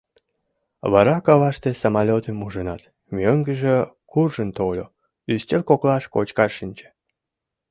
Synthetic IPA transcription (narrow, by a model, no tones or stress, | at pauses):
βɑɾɑkɑβɑʃt̪esomɑlʲot̪əmuʒənɑ̰t̪ | mʲøŋɡəʒe | kurʒənt̪olʲo̰ | yst̪ʲelʲkoklɑʃkot͡ɕkɑʃinʲt͡ɕĕ̥